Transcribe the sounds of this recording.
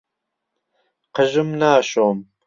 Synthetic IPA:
qəʒɨmnaːʃoːm

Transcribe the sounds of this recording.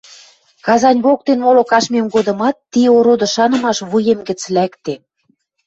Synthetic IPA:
kɑzɑnʲβok̚t̪enmolokɑʃmʲemɡod̪ɤ̆mɑt̪ːioɾod̪ɤ̆ʃɑnɤ̆mɑʃβujemɡɘ̆t͡slækt̪e

